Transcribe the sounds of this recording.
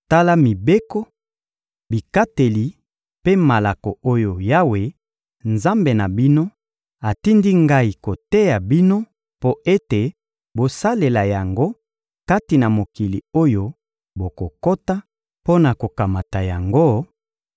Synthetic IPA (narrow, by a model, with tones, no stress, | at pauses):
ta˦la˦mi˨be˦ko˦ | bi˨ka˦te˨li˨ | pe˦ma˨la˨ko˨ʔo˦jo˨ja˦we˨ | nza˦mbe˨na˨bi˦no˦ | a˨ti˦ndi˦ŋɡa˦i˨ko˨te˦ja˨bi˦no˦ | po˦e˦te˨ | bo˨sa˦le˨la˨ja˨ŋɡo˦ | ka˦ti˨na˨mo˨ki˨li˨o˦jo˦ | bo˨ko˨ko˦ta˦ | po˦na˨ko˨ka˨ma˨ta˨ja˨ŋɡo˦